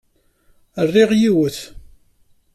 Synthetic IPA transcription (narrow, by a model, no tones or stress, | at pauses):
ərːɪʁjiwəθ